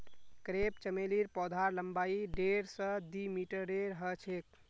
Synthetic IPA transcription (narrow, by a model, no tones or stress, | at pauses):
kɾep̚t͡ʃəmeliɾpɔd̪ʱaɾləmbaiɖeɾsə̃d̪imiʈəɾeɾɦət͡ʃʰek̚